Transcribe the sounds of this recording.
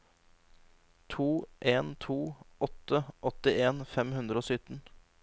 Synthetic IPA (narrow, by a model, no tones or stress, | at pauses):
t̪ʰuːʔeːnt̪ʰuːɔt̪ːəɔt̪ɪeːnfɛmhʉnd̪ɾəoːsʏt̪n̩